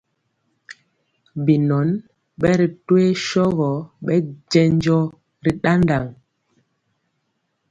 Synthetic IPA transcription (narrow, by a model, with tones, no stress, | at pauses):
bi˨nɔ˨˦n | ɓɛ˦ɾi˨twe˦ʃɔ˦ɣɔ˨˦ɓɛ˦d͡ʒɛ˦ɲ˦d͡ʒɔ˦ | ɾi˦ɗa˦nda˨ŋ